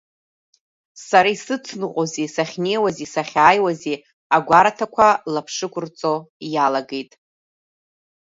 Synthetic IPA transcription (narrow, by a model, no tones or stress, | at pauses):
saɾaisɨt͡sʰnɨqʷʼozisaχʲne̞jwazisaχʲaːjwazi | aɡʷaɾatʰakʷʰalapʰʂɨkʷʰʼʊrt͡sʼo̞jalaɡe̞jtʼ